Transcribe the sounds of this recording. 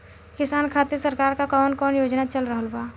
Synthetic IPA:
kɪsaːnkʰaːt̪esɐɾkaːɾkakɔːnkɔːnjoːd͡ʒnat͡ʃɐlɾəɦəlbaː

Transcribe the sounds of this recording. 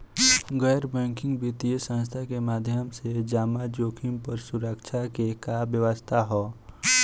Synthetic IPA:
ɡɛːɾbɛ̃ːŋkɪ̃ŋɡbit̪iəsə̃ns̬t̪ʰakemaːd̪ʱjəmsed͡ʒaːmad͡ʒoːkʰɪmpəɾsʊɾəkt͡ʃʰakekabjəʋəst̪ʰaɦoː

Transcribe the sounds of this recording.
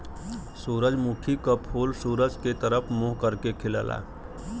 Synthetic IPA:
suːɾəd͡ʒmukʰikapʰuːlsuːɾəd͡ʒket̪əɾəpʰmoːɦkəɾkekʰɪləlʔa̰ː

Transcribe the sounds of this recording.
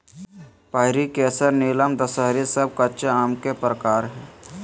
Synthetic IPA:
paːɪɾikɛːsəɾneːləmd̪əsəɦɾisəb̚kəʃaːmkepɾəkaːɾɦɛː

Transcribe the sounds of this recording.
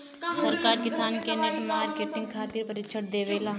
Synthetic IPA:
sɐɾkaːɾkɪsaːnkenɐʈmaːɾkeːʈɪ̃ŋɡ̚kʰaːt̪iːɾpɐɾɪt͡ʃʰəʈ̚d̪eːʋeːlaː

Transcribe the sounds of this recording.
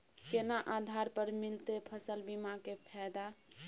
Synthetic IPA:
kenaʔad̪ʱaɾpəɾmilt̪epʰəsəlbimakepʰɛd̪a

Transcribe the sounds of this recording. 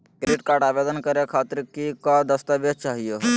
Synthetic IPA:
keɾiʈkaːɾɖaːʋed̪ənkəɾekʰaːt̪ɾkikad̪əst̪aʋjət̪̚t͡ʃaːɦijo

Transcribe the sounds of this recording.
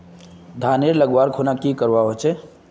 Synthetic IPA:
d̪ʱaːneɾləɡwaːɾkʰonakikəɾʋaɦot͡ʃe

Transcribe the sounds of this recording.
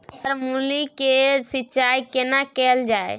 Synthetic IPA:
əɾmulikesiːt͡ʃajkenakɛld͡ʒae

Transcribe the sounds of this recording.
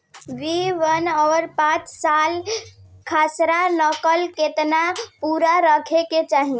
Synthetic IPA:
ʋiʋənɔɾpãt͡ʃsalkʰasɾanəkəlket̪napuɾaɾəkʰeket͡ʃaɦi

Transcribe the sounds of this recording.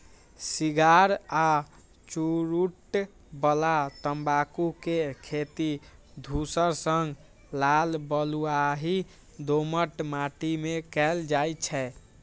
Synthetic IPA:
siɡaɾa | t͡ʃuɾuʈ | bəlat̪əmbakukekʰet̪id̪ʱusəɾsəŋɡ | lalbəluaɦi | d̪oməʈmaʈimekɛld͡ʒajt͡ʃʰɛ

